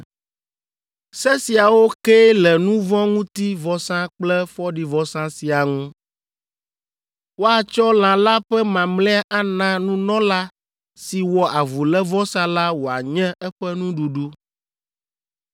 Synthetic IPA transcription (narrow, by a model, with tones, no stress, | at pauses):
sɛ˦si˨a˨wo˦kɛ˦lɛ˨nũ˦vɔ̃˦ŋũ˦t̪i˦vɔ˨sã˦k͡plɛ˦fɔ˦ɖi˨vɔ˨sã˦si˨a˨ŋũ˦ | wo˦a˨t͡ʃɔ˦l̃ã˨la˦ɸɛ˦mã˨mlɛ̃˦a˦ʔa˦nã˦nũ˦nɔ̃˦la˦ | si˨wɔ˨ʔa˨vu˨lɛ˦vɔ˦sã˦la˦wo˨a˨ɲɛ̃˦ɛ˦ɸɛ˦nũ˦ɖu˨ɖu˦